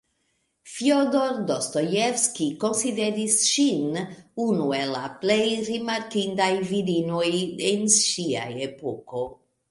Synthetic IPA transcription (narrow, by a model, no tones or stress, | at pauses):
fiod̪oɾd̪ost̪ojefskiko̞nsid̪e̞ɾisʃinunuela̰plejɾimaɾkind̪ajvidinojenʃia̰jepoko̞